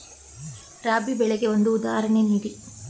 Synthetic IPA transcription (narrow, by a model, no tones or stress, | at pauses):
ɾaːbibɛɭeɡe̞o̞nd̪uːd̪aːɦɐɾɐɳeniːɾi